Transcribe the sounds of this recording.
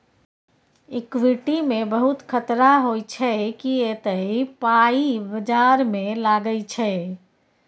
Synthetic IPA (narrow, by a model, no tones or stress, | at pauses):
ɪkwiʈimẽbəɦut̪kʰət̪ɾaɦojt͡ʃʰɛkiet̪əipaibəd͡ʒaɾmẽlaːɡəɪt͡ʃʰɛ